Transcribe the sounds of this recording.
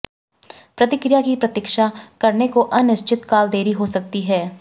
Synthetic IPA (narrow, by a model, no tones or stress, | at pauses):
pɾɐt̪ɪkɾijakipɾɐt̪ɪkʃakɐɾnekoʔɐnɪʃt͡ʃɪt̪kaːld̪eːɾiɦosɐk̚t̪iɦɛː